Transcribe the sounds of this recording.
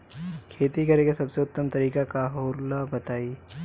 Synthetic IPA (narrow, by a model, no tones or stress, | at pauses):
kʰeːt̪ikɐɾẽkesɐbseʊt̪ːəmt̪ɐɾiːkakaɦoːɾlabɐt̪aːiː